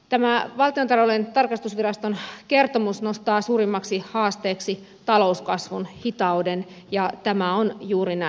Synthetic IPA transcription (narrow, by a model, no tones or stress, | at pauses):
t̪æmæʋɑlt̪iot̪ɑrʋolent̪ɑrkɑst̪usʋirɑst̪onke̞rt̪omusno̞st̪ɑːsuːrimːɑksihɑːst̪eːksi | t̪ɑlo̞uskɑsʋunhit̪ɑuden | jɑt̪æmæonjuːɾinæ